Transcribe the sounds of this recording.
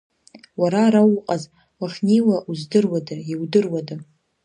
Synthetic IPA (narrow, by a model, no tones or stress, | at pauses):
waɾaɾawqʼaz | waχʲniwaʔuzdɨrwadaiwdɨrwada